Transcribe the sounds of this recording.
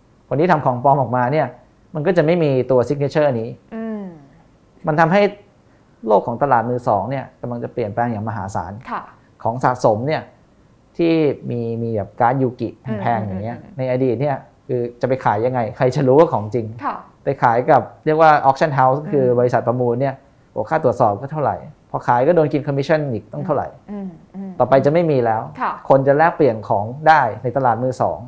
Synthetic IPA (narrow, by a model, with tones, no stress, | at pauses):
kʰo˧nʰiː˥˩t̪ʰa˧mkʰɔː˩˦ŋpɔː˧mʔɔː˨˩k̚maː˧ni˥˩ɐ | ma˧nkɔː˥˩t͡ɕa˨˩ma˥˩jmiː˧t̪u˧ɐsi˦˥k̚neː˧˥t͡ɕʰɤː˥˩niː˦˥˧ | ma˧nt̪ʰa˧mɦa˥˩j | loː˥˩kʰːɔː˩˦ŋt̪a˧laː˨˩t̪̚mɯː˧sɔː˩˦ŋni˥˩ɐka˧mla˧ŋt͡ɕa˨˩pli˨˩ənplɛː˧ŋjaː˨˩ŋma˧ɦaː˩˦sa̰ː˩˦nʰ˧˩ | kʰɔː˩˦ŋsaː˨˩t̪̚so˨˩˦mni˥˩ɐ | t̪ʰiː˥˩miː˧miː˧bɛː˨˩p̚kaː˧˥njuː˧ki˨˩pʰa˧npʰɛː˧ŋja˨˩ŋːi˦˥ɐna˧jʔaː˧diː˨˩t̪̚ni˥˩ɐ | kʰɯː˧t͡ɕa˨˩pa˧jkʰaː˩˦jːa˧ŋːa˧jkʰa˧jt͡ɕa˨˩ɾuː˦˥waː˥˩kʰɔː˩˦ŋt͡ɕi˧ŋʰ˧ | pa˧jkʰaː˩˦jka˨˩p̚ɾi˥˩ək̚waː˥˩ʔɔː˦˥k̚t͡ɕʰa˥˩nɦa˦˥wskʰɯː˧bɔ˧i˧sa˨˩t̪̚pɾa˧muː˧nːi˥˩ɐ | hoː˦kʰaː˥˩t̪ɾu˨˩ət̪sɔː˨˩p̚kɔː˥˩t̪ʰa˥˩wɾa̰˨˩jpʰɔː˧kʰaː˨˦jkɔː˥˩doː˧nki˧nkʰɔ˧mːi˦˥a˥˩niː˨˩k̚t̪ɔ˥˩ŋt̪ʰa˥˩wɾa̰˨˩˦j | t̪ɔː˨˩pa˧jt͡ɕa˨˩ma˥˩jmiː˧lɛː˦˥wʰkʰo˧nt͡ɕa˨˩lɛː˥˩k̚pli˨˩ənkʰɔː˩˦ŋdaː˥˩jna˧jt̪a˧laː˨˩t̪̚mɯː˧˥˩sɔ̰ː˩˦ŋ